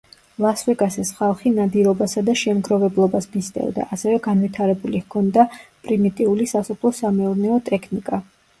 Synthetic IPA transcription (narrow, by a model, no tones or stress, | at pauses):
lˠasvɛɡasɛsχalˠχinad̪iɾɔbasad̪aʃɛmɡɾɔvɛblˠɔbasmist̪ʼɛ̰vd̪a̰ʔasɛvɛɡanvit̪ʰaɾɛbulihkʰɔnd̪apʼɾimit̪ʼiulisasupʰlˠɔsamɛuɾnɛɔt̪ʼɛkʰnikʼa